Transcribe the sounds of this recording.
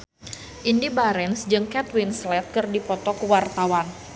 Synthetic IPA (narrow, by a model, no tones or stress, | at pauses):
ʔindibaɾɛnsd͡ʒɨŋkɛt̪winslɛt̪̚kɨrdipɔt̪ɔkəwart̪awan